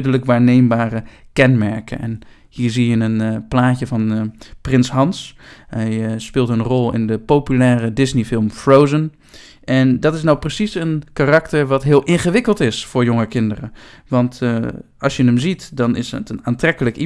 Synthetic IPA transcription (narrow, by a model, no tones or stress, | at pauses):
dələkʋaːɹnejmbaːrəkɛnmɛɹkə̰ɛ̰n | hiːɹzijənənplaːcəvɑnprɪnsɦɑnsɦɛjspɪːlˠtənrɔlˠɪ̰ndəpowpylɛːrədɪznifɪlˠmfrowzən | ʔɛndɑtɪs̬nawprəsisənkaːrɑktəɹʋɑtɦɪːlˠʔɪnχəʋɪkəlˠtɪsfʊːɹjoŋəkɪndərəʋɑnt | ɑlˠsjənəmzitdɑnɪ̰sə̰tənaːntrɛkələki